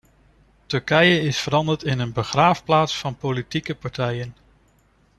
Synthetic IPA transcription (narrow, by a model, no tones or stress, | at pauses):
tɵɹkɛjəɪsfəɾɑndəɹtɪnənbəχraːfplaːtsfɑnpolitikəpɑɹtɛjən